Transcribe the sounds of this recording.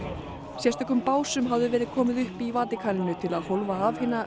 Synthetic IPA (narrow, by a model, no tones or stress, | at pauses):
sjɛst̪œkʏmpaːwsʏmɦavðʏvɛːɾɪð̥kʰɔːmɪðʏhpivaːt̪ɪkʰaːɾɪnʏt̪ʰɪlaðhowlvaːvhɪːnːa